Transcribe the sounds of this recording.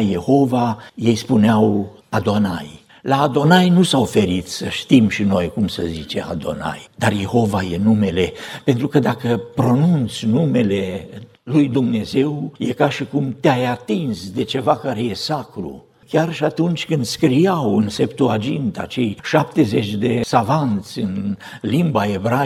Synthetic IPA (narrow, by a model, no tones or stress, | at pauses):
je̞ho̞vaje̞jspuneaw | ad̪o̞naj | laːd̪o̞najnusawfe̞ɾit̪səʃt̪imʃino̞jkumsə̰zit͡ʃe̞̰a̰d̪o̞̰na̰jd̪arje̞ho̞vajenume̞le̞pe̞nt̪ɾukəd̪akəpɾo̞nunt̪sʲnume̞le̞ | lujd̪umne̞ze̞wjekaʃikumt̪eajat̪insd̪e̞t͡ʃe̞vakaɾe̞je̞sakɾṵ | kʲarʃiat̪unt͡ʃʲkɨnd̪skɾijawɨnse̞pt̪uad͡ʒint̪a̰t͡ʃe̞jʃap̚t̪e̞ze̞t͡ʃʲd̪e̞savant̪sʲɨn | limbae̞bɾa